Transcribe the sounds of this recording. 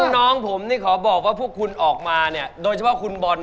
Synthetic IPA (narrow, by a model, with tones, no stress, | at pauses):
nɔː˦˥ŋpʰo˩˦mniː˥˩kʰɔː˩˦bɔː˨˩k̚waː˥˩pʰu˥˩əkʰu˧nʔɔː˨˩k̚maː˧ni˥˩ɐdoː˧jt͡ɕʰpʰɔ˥˩kʰu˧nbɔː˧n